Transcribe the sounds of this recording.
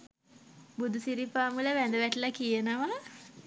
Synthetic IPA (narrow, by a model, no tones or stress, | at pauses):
bud̪usiɾipaːmuləʋænd̪əʋæʈəlakijənəʋa